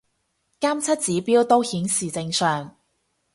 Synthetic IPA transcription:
kaː˥mt͡sʰɐ˥t̚t͡siː˨˥piː˥wt̪o˥whiː˨˥nsiː˨t͡sɪ˧ŋsœː˨ŋ

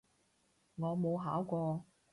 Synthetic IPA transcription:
ŋɔː˨˧mo˨˧wɦaː˨˥wkʷɔː˧

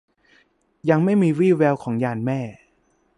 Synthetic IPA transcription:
ja˧ŋma˥˩jmiː˧wiː˥˩wɛː˧wkʰɔː˩˦ŋjaː˧nmɛː˥˩

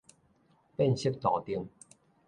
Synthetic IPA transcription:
pɛ˥˩nsi˥k̚t̪ɔ̰ː˨˩t̪i˧əŋ

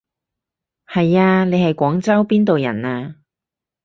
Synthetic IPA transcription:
hɐ˨jaː˧ne˨˧jhɐ˨jkʷɔː˨˥ŋt͡sɐ˥wpiː˥nt̪o˨wjɐ̰˨˩naː˧

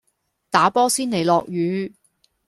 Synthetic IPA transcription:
t̪aː˨˥pɔː˥siː˥nle˨˩jlɔː˨k̚jyː˨˧

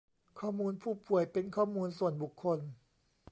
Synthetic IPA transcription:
kʰɔː˥˩muː˧npʰuː˥˩pu˨˩əjpe˧nkʰɔː˥˩muː˧nsu˨˩ənbu˨˩kʰːo˧n

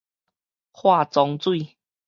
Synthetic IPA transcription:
hwa˥˧t͡sɔ˧ŋt͡swi˥˧˨

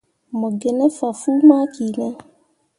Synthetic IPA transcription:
mo˨ɡe˨nɛ̃˦fa˨fu˦mã˦ki˨nɛ˦

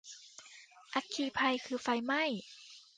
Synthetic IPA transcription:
ʔa˧t̪̚kʰiː˧˩pʰa˧jkʰɯː˧˩fa˧˩jma˥˩j

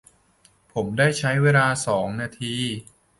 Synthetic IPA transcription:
pʰo˩˦mdaː˥˩jt͡ɕʰa˦˥jweː˧laː˧sɔː˩˦ŋnaː˧t̪ʰiː˧

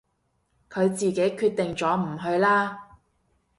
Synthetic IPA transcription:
kʰɵ˨˧ɥt͡siː˨˩ke˨˥jkʰyː˧t̪̚ɪ˨ŋt͡ʃɔː˨˥m̩˨˩ɦɵ˧ɥlaː˥

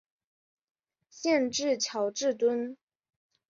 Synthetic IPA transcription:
ɕjɛ˥˧nʈ͡ʂɻ̩˥˩t͡ɕʰjɑ˨˥ʊʈ͡ʂɻ̩˥˩t̪wə˥n

